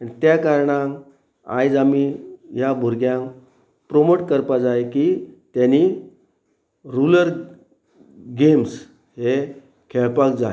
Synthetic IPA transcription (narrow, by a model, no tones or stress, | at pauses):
anit̪jakaɾɳãŋ | a̰jd͡zamijabʱuɾɡjãŋk | pɾomoʈkəɾpad͡zajkiːt̪jani | ɾuləɾ | ɡems | ɦe | kʰeɭpakd͡za